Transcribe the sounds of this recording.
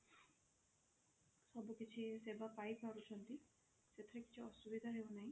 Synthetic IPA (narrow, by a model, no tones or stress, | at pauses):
sɔbukit͡ʃʰisebapajpaɾut͡ʃʰɔnt̪i | set̪ɾeki̥t͡ʃʰiɔsubid̪ʱaɦewunaĩ